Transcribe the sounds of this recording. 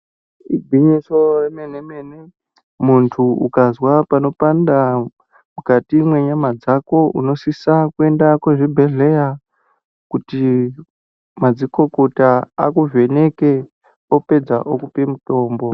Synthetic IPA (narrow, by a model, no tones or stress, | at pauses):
ibʱiɲisoremenemene | muntʰuukazwapano̞panda | mukatimwe̞ɲamad͡zako̞ṵno̞sisakue̞ndakweʐibʱe̞ɮe̞ja | kuti | mad͡ziko̞ko̞taakuve̞ne̞ke | ope̞d͡zaʔokupemuto̞ːmbo̞